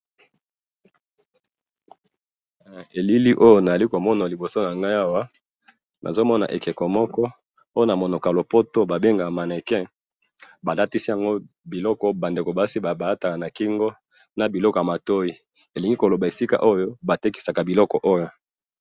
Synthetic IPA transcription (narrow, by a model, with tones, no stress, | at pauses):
e˨li˦li˦ʔo˦jo˦na˨a˨li˦ko˨mɔ˦na˨li˨bo˨so˦na˨ŋɡa˦ja˦wa˦ | nʔa̰˨zo˦mɔ˦na̰˨ʔe˨ke˨kɔ˨mɔ˦kɔ˦ | o˦jo˦na˨mo˨no˨ka˨lo˨po˦to˦ba˨be˦ŋɡa˨ma˨na˨e˨kɛ̃˦ | ba˨la˦ti˦si˦ja˨ŋɡo˦ | bi˨lɔ˦kɔ˦ba˨nde˨ko˨ba˨˦si˦ba˨ba˨a˦ta˨ka˨na˨ki˦ŋɡo˦ | na˨bi˨lɔ˦kɔ˨a˨ma˨to˦i˦ | e˨li˨ŋɡi˦ko˨lo˨ba˨e˨si˦ka̰˦ʔo˦jo˦ba˨te˦ki̥˨sa˨ka˨bi˨lɔ˦kɔ˨ʔo˦jo˨